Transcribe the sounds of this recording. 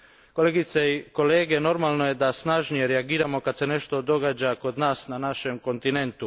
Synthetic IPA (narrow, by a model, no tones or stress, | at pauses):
ko̞leɡit̪seiko̞leːɡe̞no̞ɾmaːlˠno̞je̞d̪asnaʒnije̞ɾeaɡiːɾamo̞kad̪se̞ne̞ʃt̪o̞d̪o̞ɡaːd͡ʑako̞d̪naːsnanaʃe̞mko̞nt̪ine̞nt̪u